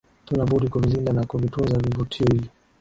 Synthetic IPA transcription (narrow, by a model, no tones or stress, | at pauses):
tunabuɾikuvizindanakuvitunzavivutʰiɔhivi